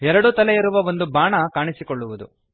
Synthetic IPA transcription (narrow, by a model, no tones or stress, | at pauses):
ɛɾɐɽut̪ɐlɛiɾuʋɐʋo̞nd̪ubaːɳɐkaːɳisikoɭːuʋud̪ṵ